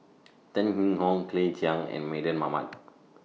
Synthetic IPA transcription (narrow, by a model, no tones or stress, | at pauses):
tə̃nhĩŋhɔ̃ŋkʰlẽd͡ʒʰiãŋɛ̰̃nmedə̃nmama̰t̚